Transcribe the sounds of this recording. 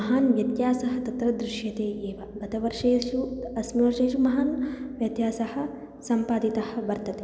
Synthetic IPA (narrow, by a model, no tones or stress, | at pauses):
ɐɦaːnʋjɐt̪jaːsɐɦɐt̪ɐt̪ɾɐd̪ɾɪʃjɐt̪eːʔeːʋɐɡɐt̪ɐʋɐɾʂeːʃuɐsmɐʋɐɾʂeːʃumɐɦaːnʋjɐt̪jaːsɐhɐ̆ | sɐmpaːd̪it̪ɐhɐ̆bɐɾt̪ɐt̪e